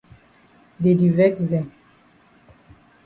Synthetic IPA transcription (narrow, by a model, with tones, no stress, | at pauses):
de˨di˨vɛ˦ksdɛ̃˨m